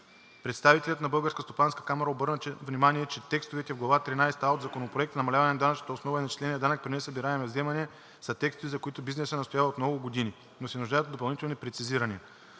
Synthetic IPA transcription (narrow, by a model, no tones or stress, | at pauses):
pɾɛt̪st̪avit̪ɛlʲɐt̪nɐbɤlˠɡəɾskəst̪opanskə̥kamɐɾəobɤɾnət͡ʃɛvnimaniɛt͡ʃɛt̪ɛkst̪ovɛt̪ɛvɡlˠɐvat̪ɾinajst̪aod̪zɐkonopɾoɛkt̪nɐmɐlʲavɐnɛnɐd̪anɐt͡ʃnə̥t̪ɐosnɔvəinɐt͡ʃi̥slɛnʲiɛd̪anək̚pɾinɛsɐbiɾaɛmɛvzɛmɐnɛ | sɐt̪ɛkst̪ovizɐkoit̪ʊbiznɛsənɐst̪ojavɐot̪mnɔɡʊɡod̪ini | nosɛnʊʒd̪ajət̪d̪op̬ɐlˠnit̪ɛlˠnipɾɛt̪siziɾəniə